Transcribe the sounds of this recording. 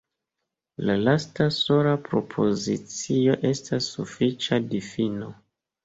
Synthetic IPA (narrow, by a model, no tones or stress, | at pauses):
lalastaso̞ɾapɾo̞pʰo̞zit͡sio̞ʔe̞stʰasːufit͡ʃadifino